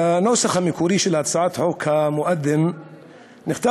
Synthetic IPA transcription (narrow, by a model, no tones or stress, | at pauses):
naːsaxamɪkuɾiːʃɪlhat̪sˤʕaːt̪ħoːkʰamʊʔad̪ːɪm | nɪxt̪a